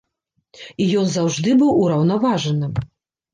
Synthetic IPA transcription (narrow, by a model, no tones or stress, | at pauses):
ijɔnzawʐd̪ɨbɨwuɾɐwnavaʐɐnɨ